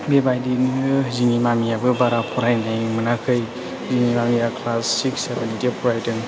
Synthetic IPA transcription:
bebajdinɯziŋimamijabɯbaɾapʰɔɾajnajmɯnakʰɯj | ziŋimamijakʰlasːiksebenitepʰɔɾajtɯŋ

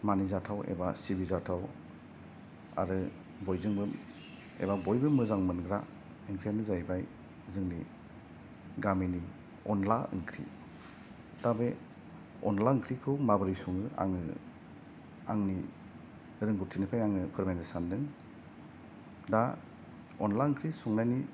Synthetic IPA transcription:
manizatʰawḛbasibizatʰaw | a̰ɾɯ | bɔjzɯŋbɯm | ḛbabɔjbɯmɯzaŋmɯnɡɾa̰ | ɯŋkʰɾianɯzajbaj | zɯŋni | ɡamini | ɔnla̰ɯ̰ŋkʰɾḭ | tabe | ɔnlaɯŋkʰɾikʰɔmabɯɾisuŋɯa̰ŋɯ̰ | aŋni | ɾɯŋɡutʰinipʰajaŋɯpʰɯɾmejnɯsandɯŋ | da | ɔnlaɯŋkʰɾisɔŋnajni

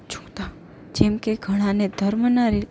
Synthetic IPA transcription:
t͡ʃũ̥kt̪a | d͡ʒɛmkeɡʱəɽ̃ãned̪ʱəɾmənaɾi

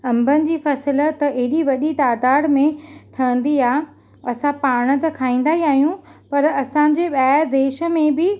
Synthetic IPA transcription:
ɐ̃mbənɪ̆d͡ʑiːfɐsələ̆t̪ɐʔɐɦɪɗiʋɐɗit̪aːd̪aːɽmẽt̪ʰɐə̃n̆d̪iaːɦ | ɐsãpaːɽ̃ə̆t̪ɐkʰaːĩːn̆d̪aːɦiaːɦijũpɐɾɐsãɲ̆d͡ʑeːɓaːɾd̪eːʃə̆mẽbɪ

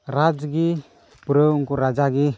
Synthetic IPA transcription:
ɾad͡ʒɡi | buɾəwŋkuɾad͡ʒaɡi

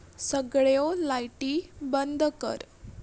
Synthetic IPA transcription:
səɡɭjolajʈiːbənd̪ʱkə̰ɾ

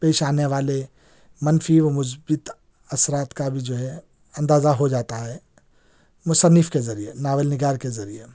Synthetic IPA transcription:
peːʃaːneʋaːle | mɐnfiʋɐmʊs̬bɪt̪ | ɐsɾaːt̪kabʱid͡ʒoːɦɛ | ɐ̃nd̪aːzaɦod͡ʒaːt̪aɦɛː | mʊsənːɪfkezɐɾijenaːʋəlnɪɡaːɾkezɐɾie

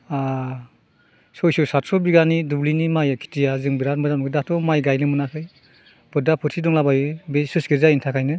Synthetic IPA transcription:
a | sɔjsɔsatsɔbiɡanidublinimajakʰi̥tijazɯŋbiɾat̚mɯdamɡɯdatʰɔmajɡajnɯmɯnakʰɯj | b̥ɯdapʰɯtʰidɔŋlabajɯbesɯsɡɯzaintʰakʰajnɯ

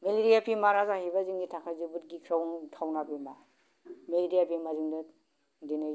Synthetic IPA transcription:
meleɾijapʰimaɾazahibaziŋɡitʰakʰazibut̚ɡikʰɾawntʰawnabima | meleɾijapʰimazɯŋdɐ | denɯj

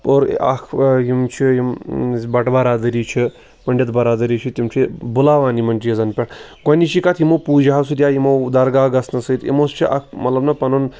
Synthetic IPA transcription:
poːɾ̰ɐ̰kʰɦimt͡ʃʰijimbɐʈbɐɾaːd̪ɐɾiːt͡ʃʰi | pɐɳɖʲɐt̪bɐɾaːd̪ɐɾiːt͡ʃʰit̪ʲimt͡ʃʰibulaːʋaːnimɐnʲt͡ʃijɐzɐnpʲɐʈɡɐnʲiʃikɐt̪ʰimopuːd͡ʒaɦɐsut̪ʲjaːjimowd̪ɐɾɡaːɡɐsnɐsɐit̪ḭmost͡ʃʰiʔɐ̰k̚ʰmɐt̪lɐbnɐpɐnon

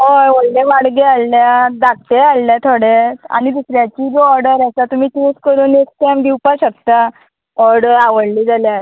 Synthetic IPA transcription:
ɦojʋollẽʋaɽɡealːjad̪ak̚t̪ealːjat̪ʰoɽea̰ñid̪usɾjat͡ɕiːɡoɔɾɖəɾasat̪um̤iːʈuskəɾuːnekskɛmd̪iwpaɕək̚t̪a | ɔɾɽəɾaʋəɽliːd͡zʱalja

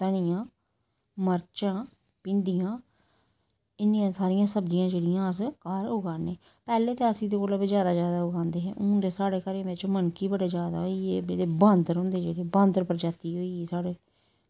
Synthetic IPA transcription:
t̪əɳ̃ɪjãː | məɾt͡ʃãː | pɪ̃ɳɖijãː | ɪnːiːãːsaːɾɪjãːsəbd͡ʒɪjãːd͡ʒeːɽɪjãːəs̬kaːɾʊɡaːnẽː | pɛːleːt̪eːəsiːd̪eːkoːləbizjaːd̪aːd͡ʒjaːd̪aːʊɡãːnd̪eːɦɛ̃ːʔʊɖeːsaːɽeːkəɾeːmet͡ʃomənkiːbəɽeːd͡ʒjaːd̪a̰ːɦoiːeːbdeːbãːnd̪əɾɦõːnd̪eːd͡ʒeːɽeːbãːnd̪əɾpəɾd͡ʒaːt̪iːɦoːieːsaːɽeː

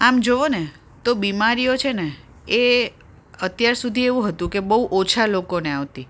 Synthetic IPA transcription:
amd͡ʒoʋone | t̪obimaɾijot͡ʃʰene | e | ət̪jaɾsud̪ʱieʋũɦət̪ũkebəɦuʔot͡ʃʰalokoneaʋt̪i

